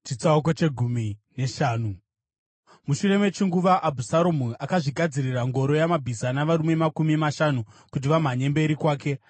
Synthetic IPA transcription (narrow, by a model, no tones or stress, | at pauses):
t͡ʃit͡sauk̬o̞t͡ʃe̞ɡʱumine̞ʃaːnu | muʃure̞met͡ʃiŋɡuʋaʔabʱusaɾomuakaʐiɡʱad͡ziriraŋɡo̞ɾo̞jamabʱizanaʋaɾume̞makumimaʃanukut̬iʋam̤aɲe̞mbe̞ɾikwaːke̞